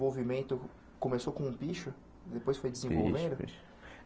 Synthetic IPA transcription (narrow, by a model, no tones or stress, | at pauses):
vowvimẽnt̪ʊ | kõmesokõũpiʃʊ | d̪epojsfojd͡ʒɪzẽvo̰wvẽd̪ʊ̰